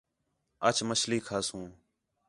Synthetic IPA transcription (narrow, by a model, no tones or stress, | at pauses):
ət͡ʃməsliːkʰaːsũː